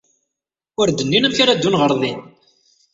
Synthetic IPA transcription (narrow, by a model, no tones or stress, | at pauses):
ʊɾd̪ənːinæmçaɾad̪ːunʁəɾˤðˤin